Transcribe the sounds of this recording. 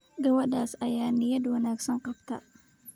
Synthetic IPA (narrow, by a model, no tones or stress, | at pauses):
ɡɐwɐɗaːsɐjaːnɪjɐd̪wɐnaːɡsɐŋqɑbt̪ʰɐ̰